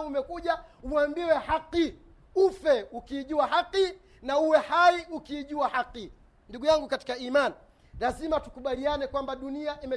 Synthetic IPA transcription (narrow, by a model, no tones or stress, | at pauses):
umɛkuʄauambiwɛhaqːi | ufɛukiːʄuwahaqːi | nauwɛhaiukiːʄuahaqːi | nduɡujaŋɡukati̥kaiːmani | lazimatukuɓalianɛkwambaɗuniaʔimɛ